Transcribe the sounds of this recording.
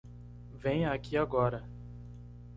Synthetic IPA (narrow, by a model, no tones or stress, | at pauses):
vẽj̃akiaɡɔɾɐ